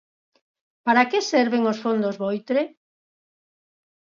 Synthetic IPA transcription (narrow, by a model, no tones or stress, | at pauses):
paɾakɪsɛɾβeŋosfond̪ozβojt̪ɾe